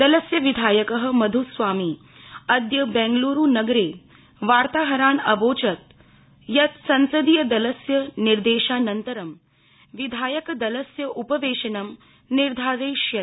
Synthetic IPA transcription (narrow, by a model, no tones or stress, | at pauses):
d̪ɐlɐsjɐʋid̪ʱaːjɐkɐɦɐ̆mɐd̪ʱusʋaːmi | ɐd̪jɐbɛ̃ːŋɡluːɾuːnɐɡɾeː | ʋaːɾt̪aːɦɐɾaːnɐʋoːt͡ʃɐt̪̚ | jɐt̪sɐnsɐd̪ijɐd̪ɐlɐsjɐniɾd̪eːʃaːnɐnt̪ɐɾɐm | ʋid̪ʱaːjɐkɐd̪ɐlɐsjɐʔupɐʋeːʃɐnɐm | niɾd̪ʱaːɾeːʃjɐt̪